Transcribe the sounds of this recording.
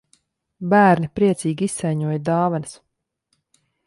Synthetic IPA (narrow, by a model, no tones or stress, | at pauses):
bæːɾnipɾiɛt̪siːɡiisːɛjɲuɔjd̪ɑːvans